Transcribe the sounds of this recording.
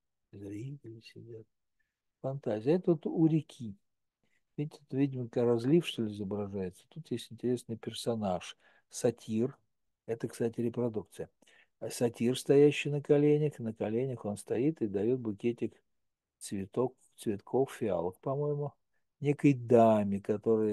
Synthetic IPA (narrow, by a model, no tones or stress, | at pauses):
zʲɾʲiɡʲlʲɪsʲɪdʲat̪̚ | fɐnt̪azʲɪjɛt̪ot̪ʊɾʲɪkʲʰi | vʲitʲɪt̪vʲidʲɪməkɾɐzlʲifʂt̪o̞lʲɪɪzəbɾɐʐajɪt̪sə̥t̪ut̪jesʲtʲɪnʲtʲɪɾʲe̞snɨjpʲɪrsɐnaʂ | sɐtʲir | ɛt̪əkst̪atʲɪɾʲɪpɾɐd̪uk̚t̪sɨjə | sɐtʲirst̪ɐjæɕːɪjnəkɐlʲenʲɪxnəkɐlʲenʲɪxo̞nst̪ɐit̪ɨd̪ɐjo̞t̪̚bʊkʲetʲɪk | t̪svʲɪt̪ok | t̪svʲɪt̪kʰo̞ffʲɪa̰lˠəkpɐmo̞jɪmʊ | nʲekəjd̪amʲɪkɐt̪o̞ɾɨjə